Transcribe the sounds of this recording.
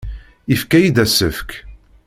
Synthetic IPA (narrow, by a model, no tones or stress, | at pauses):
ifkæjid̪æsəfk